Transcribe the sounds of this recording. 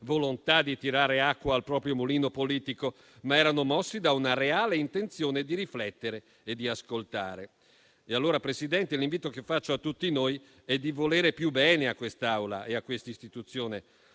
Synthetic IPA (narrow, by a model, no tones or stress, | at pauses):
volont̪ad̪it̪iɾaːɾeakːwaːlpɾɔːpɾjomuliːnopoliːt̪iko | maɛːɾanomɔsːid̪aunaɾeaːleint̪ent̪sjoːned̪iɾiflɛt̪ːeɾe | ed̪ːiaskolt̪a̰ːɾe | ealːoːɾapɾesid̪ɛnt̪eliɱviːt̪okefːat͡ʃːoat̪ːut̪ːinoj | ɛd̪ivoleːɾepjubːɛːneakːwest̪awla̰ʔeakːwest̪aist̪it̪ut̪sːjoːne